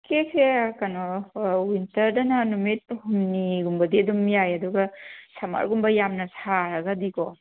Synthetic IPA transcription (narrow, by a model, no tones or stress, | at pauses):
kekʰekanowintɐɾdɐnanumit̚humniɡumbɐdiɐdumːijajɐduɡɐsɐma̰ɾɡumbɐjamnɐsaɾɐɡadikɔ